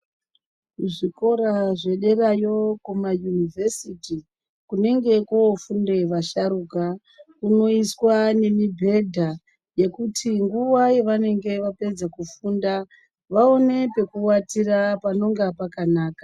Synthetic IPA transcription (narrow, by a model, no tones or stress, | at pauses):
ʐiko̞ɾaʐe̞ɗe̞rajo̞kumajunivʱesiti | kune̞ŋɡe̞koofunde̞ʋaʃaɾuka | kuno̞iswane̞mibʱe̞dʱa | je̞kutʰiŋɡuʋaje̞ʋane̞ŋɡe̞ʋape̞d͡zakufuːnda | ʋao̞ne̞pe̞kuwatirapano̞ŋɡapakanaːkḁ